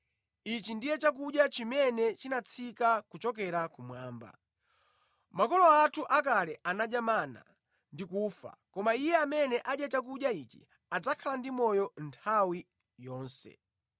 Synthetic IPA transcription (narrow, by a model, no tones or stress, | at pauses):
it͡ʃindijɛt͡ʃak̬uɗjat͡ʃimɛnɛt͡ʃinat͡sʰikakut͡ʃɔk̬ɛɾakumwaːmba̰ | makɔlɔatʰuʔak̬alɛʔanaɗamana̰ | ndikuːfa̰kɔmaijɛamɛnɛʔaɗjat͡ʃak̬uɗjait͡ʃḭ | ad͡zakʰalandimɔjɔntʰawi | jɔːnsɛ̰